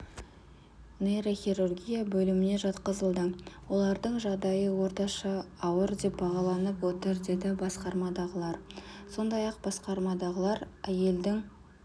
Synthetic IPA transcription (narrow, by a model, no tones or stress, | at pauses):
neɾoχʲirurɡʲijabɵlɪmɪne̞ʒɑt̪qəzəlˠd̪əwo̞lˠɑɾd̪əɴʒɑʁd̪ɑjəwo̞ɾt̪ɑʃɑːwəɾd̪e̞p̚bɑʁɑlˠɑnəpwot̪əɾd̪e̞d̪ɪbɑsqɑɾmɑd̪ɑʁəlˠɑɾso̞nd̪ɑjɑqb̥ɑsqɑɾmɑd̪ɑʁəlˠɑɾæje̞ld̪ɪŋ